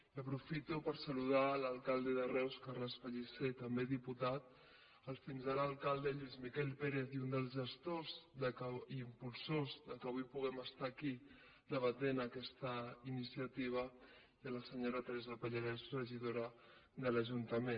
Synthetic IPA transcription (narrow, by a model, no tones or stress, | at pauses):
əpɾufit̪upəɾsəluð̞aləlˠkalˠd̪əðərɛwskarləsfəʎiset̪əmbeðiput̪at̪̚ | əlˠfinzaləlˠkalˠd̪əʎwizmikɛlpeɾeθiund̪əlˠzʒəst̪ozðəkəimpulˠsozðəkəβujpuɣ̞ɛməst̪aki | d̪əβənd̪enaːkɛst̪əinisiət̪iβ̞ə | iələsəɲoɾət̪ɾɛzəpəʎəɾɛzrəʒiðoɾəðələʒunt̪əmen